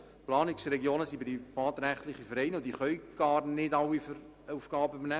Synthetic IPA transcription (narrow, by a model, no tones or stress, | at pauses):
plɑːnɪksɾɛɡjoːnəsibɪdifɑːt̪ɾæχtlɪχifəɾɛɪnod̪iχœɥɡ̥ɑːɾnɪdɑwifəɾ | ufɡ̥ɑːbəybənæ